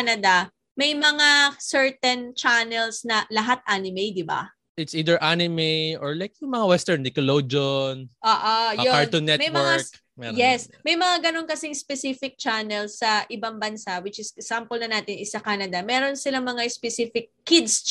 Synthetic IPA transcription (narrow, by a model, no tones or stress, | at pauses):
anɐd̪ɐ | mɐjmɐŋasɛɹt̪ɛnt͡ʃanɛlsnɐlɐɦat̪̚ʔaːnɪmɛjd̪ɪba̰ | ʔɪt̪siːd̪ɛɹʔanɪmɛjʔɔɹlajkjʊŋmɐŋawɛst̪ɛɹnd̪ɪkɐlod͡ʒonʔoːʔojoaɹt̪onːɛtmɐjmwɛa | mɛjɛsmɐjmɐŋaɡɐno̞nkɐsɪŋspɛsifɪk̚t͡ʃanɛlsːɐʔɪbaŋbɐnsawɪt͡ʃɪsksampolnɐnaːt̪ɪnʔɪsɐkaːnɐd̪ɐmɛːɾo̞nsɪlamɐŋaspɛsifɪkʰːɪd̪s